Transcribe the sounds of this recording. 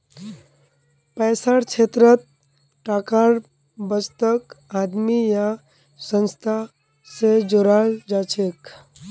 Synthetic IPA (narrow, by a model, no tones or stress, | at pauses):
pɛːsaɾt͡ʃʰet̪ɾət̪̚ | ʈaːkaɾ | bəst̪əkad̪mija | sə̃nst̪ʰa | sed͡ʒoɾald͡ʒat͡ʃʰek